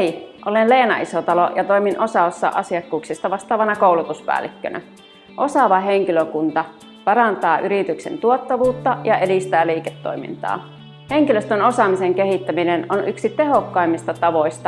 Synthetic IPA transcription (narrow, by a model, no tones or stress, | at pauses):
iʔolenleːnɑisot̪ɑlojɑt̪oiminʔosɑosːɑ̰ʔɑsiɑkːuːksist̪ɑʋɑst̪ɑːʋɑnɑkoˑulut̪uspæ̰ːlːikːø̰nʔæ̰ | ʔosɑʋɑɦeŋkiløkunt̪ɑ | pɑrɑnt̪ɑːʔyɾit̪yksḛnt̪uot̪ːɑʋuːt̪ːɑjɑʔedist̪æːliːket̪ːo̰imḭnt̪ɑ̰ː | heŋkiløst̪ønosɑmiseŋkehit̪ːæminenonʔyksit̪eɦokːɑimːist̪ɑt̪ɑʋoist̪ɑ